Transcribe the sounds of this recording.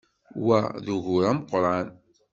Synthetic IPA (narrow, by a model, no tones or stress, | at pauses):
wæðuʝʊɾæmqɾˤɑn